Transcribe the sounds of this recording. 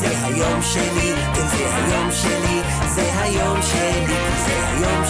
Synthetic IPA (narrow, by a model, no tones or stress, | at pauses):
zɛɦajomʃeli | kezɛha̰jomʃeli | zɛɦajomʃeli | zɛha̰jom